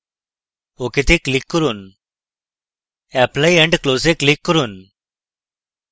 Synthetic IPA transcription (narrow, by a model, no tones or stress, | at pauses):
oket̪eklikːəɾuːn | ɛplaiɛɳɖkloːs̬eklikːəɾuːn